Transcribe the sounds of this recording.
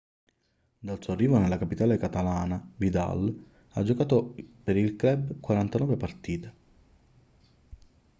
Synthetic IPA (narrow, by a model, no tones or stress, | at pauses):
d̪alsuːarːiːvonelakapit̪aːlekat̪alaːnavid̪a̰l | ad͡ʒːokaːt̪opeɾilkɾɛbkwaɾant̪anɔːvepart̪iːt̪e